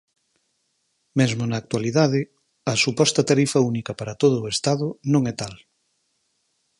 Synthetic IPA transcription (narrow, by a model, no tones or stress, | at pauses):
mezmonɐːk̚t̪waliðaðɪ | ɐsupɔst̪ɐt̪aɾifɐunikɐpaɾɐt̪oð̞ʊːest̪aðʊnõŋɛt̪al